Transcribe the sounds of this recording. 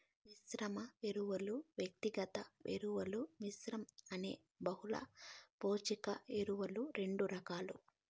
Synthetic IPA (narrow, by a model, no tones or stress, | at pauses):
ʋisɾɐmɐeɾuʋɐluʋjɐk̚t̪iɡɐt̪ɐʋḛɾuʋɐluʋisɾɐmɐnḛː | bɐɦulɐ̰poːt͡ʃikɐeɾuʋɐluɾe̞ɳɖuɾɐkaːlu